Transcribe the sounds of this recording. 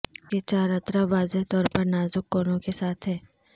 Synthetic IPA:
ket͡ʃaːɾɐt̪ɾaʋaːzeɦt̪ɔːɾpɐɾnaːzʊkːoːnõkesaːt̪ʰɦɛː

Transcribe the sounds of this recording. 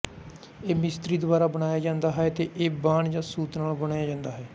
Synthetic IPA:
eːmɪst̪ɾiːd̪ʊʋaːɾaːbəɽaːjaːd͡ʒãːnd̪aːɦɛt̪eːʔeːbaːɳd͡ʒãːsuːt̪naːlbəɽaːjaːd͡ʒãːnd̪aːɦɛː

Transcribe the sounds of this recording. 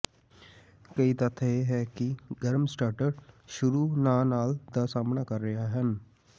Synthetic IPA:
kɐit̪ət̪ʰeɦɛːkiɡəɾmsʈaːɾʈəɾʃʊɾuːnaːnaːld̪asaːmnaːkəɾːɐɦaɦən

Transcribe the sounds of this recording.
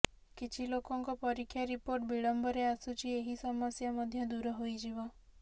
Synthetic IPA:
kit͡ʃʰilokɔŋkɔpɔɾikʰːjaɾipoɾʈ̚biɭɔmbɔɾeasut͡ʃʰieɦisɔmɔsjamɔd̪ʱjɔd̪uɾɔɦojd͡ʒiβɔ

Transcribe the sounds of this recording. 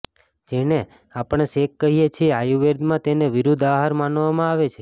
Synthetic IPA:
d͡ʒene | apɳ̃eʃekːəɦijet͡ʃʰieajuʋeɾd̪mãt̪eneʋiɾud̪ʱaɦaɾmanʋamãaʋet͡ʃʰe

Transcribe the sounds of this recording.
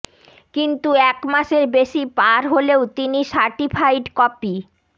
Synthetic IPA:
kint̪uɛkmaʃeɾbeʃipaɾɦoleot̪iniʃaɾʈipʰajʈkɔpi

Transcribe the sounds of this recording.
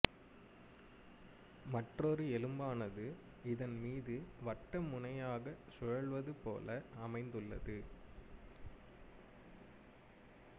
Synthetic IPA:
mɐʈrɔɾɯɛlɯmbaːnɐðɯ | ɪðɐnmiːðɯʋɐʈːɐmːʊnɐjaːɣɐsɔɻɐɭʋɐðɯpo̰ːlɐɐmɐɪnd̪ɯɭːɐ̰ðɯ

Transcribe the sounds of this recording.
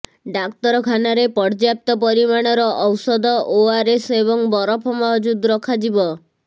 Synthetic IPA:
ɖakt̪ɔɾɔkʰanaɾepɔɽd͡ʒjap̚t̪ɔpɔɾimaɽ̃ɔɾɔʔɔwsɔd̪ɔʔoaɾeseβɔŋbɔɾɔpʰɔmɔɦd͡ʒud̪ɾɔkʰad͡ʒibɔ

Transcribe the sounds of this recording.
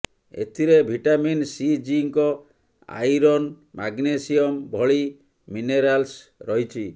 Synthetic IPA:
ḛt̪ʰiɾebʱiʈaminsid͡ʒiŋkɔ | a̰jɾɔn | maɡnesiɔmbʱɔɭi | mineɾalsɾɔɦit͡ʃʰi

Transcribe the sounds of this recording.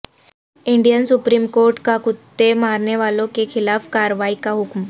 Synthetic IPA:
iɳɖijənsupɾiːmkoɾʈkakut̪ːemaɾɳjeʋalõkekʰilafkaɾʋaikaɦukm

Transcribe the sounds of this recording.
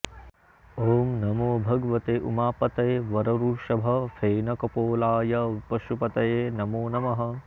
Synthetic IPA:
oːmnɐmoːbʱɐɡɐʋɐt̪eːʔṵmaːpɐt̪ɐjʋɐɾɐɾuːʂɐbʱɐfʰeːnɐkɐpoːlaːjɐpɐʃupɐt̪ɐjeːnɐmoːnɐmɐɦɐ̆

